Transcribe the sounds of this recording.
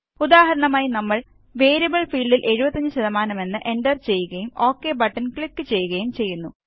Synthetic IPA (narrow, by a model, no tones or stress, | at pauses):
ud̪aːhɐɾɐɳɐmaːjinɐmːɐɭ | ʋe̞ːɾjɐbɐɭfiːɭɖilʔe̞ɻubɐt̪ːɐɲd͡ʑɨɕɐðɐmaːnɐme̞nːɨʔe̞nɖɐrt͡ɕe̞jːuɣɐjumo̞ːkːebɐʈːɐnkɭikːɨt͡ɕe̞jːuɣɐjumt͡ɕe̞jːunːu